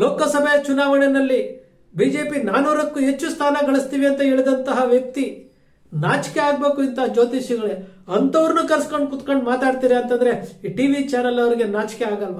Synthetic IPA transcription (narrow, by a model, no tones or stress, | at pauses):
loːkɐsɐbʱejɐt͡ʃunaːʋɐɳenɐlːi | biːd͡ʒe̞ːpinaːnuːɾɐkːuɦet͡ʃːust̪ʰaːnɐɡɐɭist̪iːʋiɐnt̪ɐɦe̞ːɭid̪ɐnt̪ɐɦɐʋjɐk̚t̪i | naːt͡ʃkeaːɡ̚be̞ːkuint̪ɐɦɐd͡ʒoːt̪iʃiɡɐɭeɐnt̪ɐʋɐɾnukɐɾskoɳɖ̚kut̪koɳɖmaːt̪aːɖt̪iːɾeɐnt̪ɐnd̪ɐɾe̞ʈiːʋit͡ʃaːnɐlɐʋɐɾiɡe̞naːt͡ʃkeaːɡɐlʋɐ